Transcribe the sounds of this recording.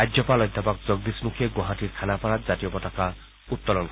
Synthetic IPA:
ajdopalɔjd̪ʱːapak̚d͡ʑɔɡd̪ismukʰeɡoɦaʈiɾkʰanapaɾatd͡ʑat̪ijopɔʈaka | ut̪ːolonk

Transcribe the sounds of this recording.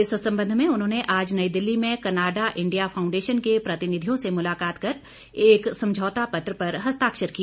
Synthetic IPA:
ɪssɐ̃mbə̃nd̪ʱmẽʊnɦõːneʔaːd͡ʒnɐid̪ɪlːimẽkɐnaːɖaʔɪ̃ɳɖijafʰaːʊ̃ɳɖeːʃənkepɾɐt̪ɪnɪd̪ʱijõsemʊlaːkaːt̪kɐɾ | eːksɐ̃md͡ʒʱɔːt̪apɐt̪ɾəpɐɾɦɐst̪aːkʃəɾkiaː

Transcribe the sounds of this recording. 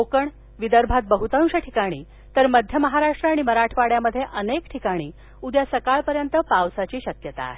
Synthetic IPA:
okəɳ | ʋid̪əɾbʱat̪̚bəɦut̪ə̃wɕəʈʰikaɽ̃iː | t̪əɾməd̪ʱjəməɦaɾaʂʈɾəaɽ̃iməɾaʈʰʋaɽjaməd̪ʱːjeʔənekʈʰikaɽ̃iː | ud̪jasəkaɭpəɾjənt̪əpawsat͡ɕiːɕəkjət̪a̰ːɦe

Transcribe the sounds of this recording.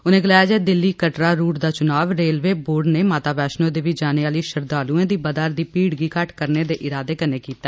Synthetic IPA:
ʊnẽːɡəlaːjaːd͡ʒaːɛd̪ɪlːiːkəʈɾaːɾuːʈd̪aːt͡ʃʊnaːʋɾeːlʋeːboːɖneːmaːt̪aːʋɛːʃnõːd̪eːʋɪd͡ʒaːneaːliːʃəɾd̪aːluːẽːd̪iːbəd̪aːɾd̪iːpiːɽɡiːkəʈkəɾneːd̪eːʔɪɾaːd̪eːkəneːkiːt̪aː

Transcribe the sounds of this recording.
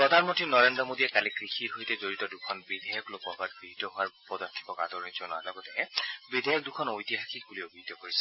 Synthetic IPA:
pɹɔdʱanmɔntɹinɔɹendɹɔmodijɛkalikɹixitɦojtɛzoɹitɔdukʰɔnbidʱejɔklokɔbatkɹixitɔɦʊaɹpɔdaɹtʰi̥pɔka̰dɔɹnizɔnwa̰lɔɡɔtɛbidʱejɔk̚dukʰɔnojtiɦaxʰik̚buliobʱiidtːɔkoɹisɛ̥

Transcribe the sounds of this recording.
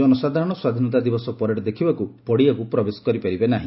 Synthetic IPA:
ɔnusad̪ʱaɾɔɽ̃ɔswad̪ʱinɔt̪̬ad̪ibɔsɔpɔɾeɽed̪ekʰibakupɔɽiakupɾɔbesɔ̥kɔɾipaɾibenaɦĩ

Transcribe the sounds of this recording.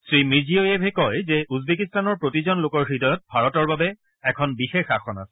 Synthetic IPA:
sɹimiziojepɛkɔjzɛuzbekistanɔɹpɹotizɔnlokɔɹxidɔjɔt̚bʱaɹɔtɔɹbabɛ | ɛkʰɔnbixexaxʰɔna̰sɛ̥

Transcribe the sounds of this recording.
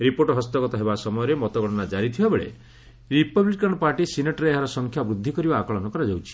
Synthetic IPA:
ɾipoʈɔɦɔst̪ɔkɔt̪ɔɦebasɔmɔjɔɾemɔt̪ɔɡɔɽɔnad͡ʒaɾit̪ʰibabeɭḛ | ɾipɔblikaɳɖpaɾʈisineʈɔɾeːɦaɾɔsɔŋkʰjabɾud̪ʱːikɔɾibaːkɔɭɔnɔkɔɾad͡ʒawt͡ʃʰi̥

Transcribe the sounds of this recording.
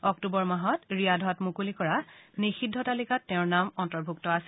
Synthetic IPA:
ɔk̚tubɔɹmaɦɔtɹijadʱɔtmukulikɔɹanixidʱːɔtalikatːɛ̃ʊ̃ɹnamɔntɔɹbʱuktɔas

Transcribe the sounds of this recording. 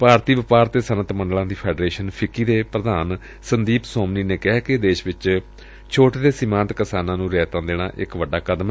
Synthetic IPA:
paːɾt̪iːʋɪpaːɾt̪eːsənət̪mə̃ɳɖlãːd̪iːpʰɛːɖɾeːʃənpʰɪkiːd̪eːpɾəd̪aːn | sənd̪iːpsɔːmniːneːkɪɦɛːkɪd̪eːʃʋɪt͡ʃ | t͡ʃʰoːʈːd̪eːsɪmãːnt̪kɪsaːnãːnũːɾɛːt̪ãːd̪eːna̰ːʔɪkʋəɖaːkəd̪m

